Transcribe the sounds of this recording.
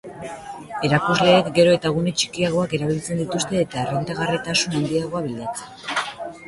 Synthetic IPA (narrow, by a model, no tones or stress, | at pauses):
e̞ɾakuzle̞ːkɡe̞ɾo̞e̞t̪aɣ̞unet͡ʃi̥kiaɣ̞o̞ake̞ɾaβ̞ilt͡se̞nd̪it̪ust̪e̞ːt̪aerent̪aɣ̞arit̪asunand̪iaɣ̞o̞aβiʎat͡se̥